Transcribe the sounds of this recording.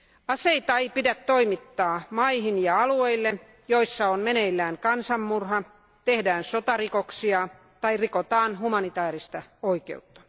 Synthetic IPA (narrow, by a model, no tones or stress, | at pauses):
ɑseit̪ɑeipidæt̪toimit̪ːɑːmɑihinjɑɑlueilːe | joisːɑonmeneilːæːnkɑnsɑmːurhɑ | t̪ehdæːnsot̪ɑrikoksiɑ | t̪ɑirikot̪ɑːnhumɑnit̪ɑːrist̪ɑoikḛut̪ːɑ̥